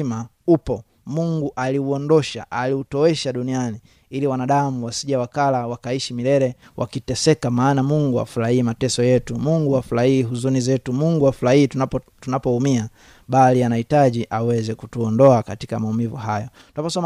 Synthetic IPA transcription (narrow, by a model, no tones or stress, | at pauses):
ma | upɔ | muŋɡuʔaliuɔndɔʃa̰ʔaliutɔwɛʃaɗuniani | iliwanaɗamuwasiʄawakalawakaiʃimilɛɾɛwʔa̰kitɛsɛkamaːnamuŋɡua̰fulahiːmatɛsɔjɛtumuŋɡuafulahiːɦuzunizɛtumuŋɡuafulahiː | tunapɔumia | ɓalianahitaʄiʔawɛzɛku̥tuɔndɔakati̥kamaumivuɦajɔ | tunapɔsɔm